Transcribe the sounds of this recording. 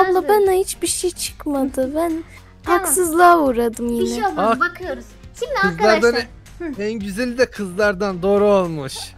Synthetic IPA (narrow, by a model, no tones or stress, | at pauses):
ablˠabanahit͡ʃbiʃejt͡ʃʰɯ̥kmad̪ɯbæn | haksɯzlˠaːuːɾad̪ɯmjinɪabakʰjoɾ | ɯzˠaɾd̪an | ænɟyzælʲid̪ɛkʰɯzlˠaɾd̪and̪oːɾuolˠmɯʃ